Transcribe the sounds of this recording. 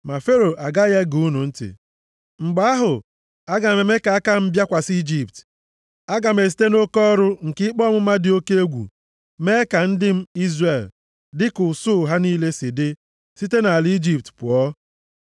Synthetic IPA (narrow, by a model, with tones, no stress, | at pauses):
ma˨fe˦ɾo˨ʔa˨ɡa˦je˦ɡu˦nu˨n̩˦tɪ̰˨ | ŋ͡m̩˨ɡ͡ba˦a˦ɦʊ˨ | a˦ɡa˨me˨me˦ka˨a˦ka˦m̩˦bja˦kʷa˨si˦d͡ʒi˨p̚t | a˦ɡa˨me˨s̬i̥˦te˦no˦kɔ˦ɾʊ˦ŋ̩˨kɪ˦k͡pɔ˦mʊ˦ma˦dɪ˨o˦ke˦e˦ɡʷṵ˨ | me˦ka˨n̩˦dɪ˦m̩˦i˦zre˨l | dɪ˦kʊ˨sʊ˦˨ɦa˦niː˦le˦sɪ˨dɪ˦ | si˦te˦na˨li˦d͡ʒi˦p̚tpʊ˨ɔ˦